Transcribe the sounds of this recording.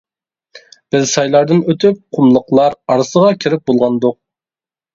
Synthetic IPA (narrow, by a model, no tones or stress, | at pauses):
b̥ɪzsɑjlˠɑɾd̪ɨnøt̪ʰyp̚qʰʊmlˠəqlˠɑɾɑɾsəʁɑkʲʰiɾɪp̚bolˠʁɑnd̪ʊq̚